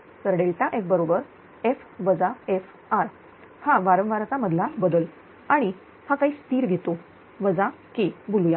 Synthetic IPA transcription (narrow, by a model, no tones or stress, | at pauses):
səɾɽelʈ̪aʔefbəɾobəɾ | ef | ʋəd͡zaef | aɾ | haʋaɾə̃ʋʋaɾt̪aməd̪ʱlabəd̪əl | aɽ̃i | hakaɦiːst̪iːɾɡʱet̪o | ʋəd͡za | kebuluja